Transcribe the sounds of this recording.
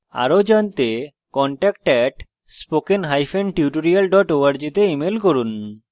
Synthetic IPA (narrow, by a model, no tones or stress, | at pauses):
a̰ɾod͡ʑant̪e | kɔɳʈɛk̚ʈɛʈ | spokenɦajfenʈiuʈoɾialɖɔʈoaɾd͡ʑit̪eimelkoɾun